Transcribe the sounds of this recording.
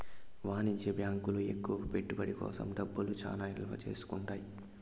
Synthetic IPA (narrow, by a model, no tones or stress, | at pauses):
ʋaːnid͡ʒjɐbjaːŋkuluekːuʋɐpeʈːubɐɽikɔ̰ːsɐ̰mɖɐbːulut͡ʃa̰ːlaːilʋɐ̰t͡ʃe̞̰ːsu̥kuɳʈaːji